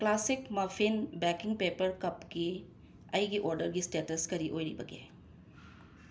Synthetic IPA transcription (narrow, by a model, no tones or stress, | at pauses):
klasikmapʰinbɛkiŋpepɐɾkɐpɡi | ɐjɡiʔoɾdɐɾɡistetɐskɐɾiʔojɾḭbɐɡḛ